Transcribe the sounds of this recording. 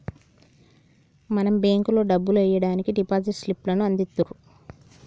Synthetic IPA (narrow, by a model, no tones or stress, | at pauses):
mɐnɐmbeːŋkuloːɖɐbːuluɛjɐɽaːnikiɖipaːsiʈslipːlɐnuɐnd̪it̪ːuɾu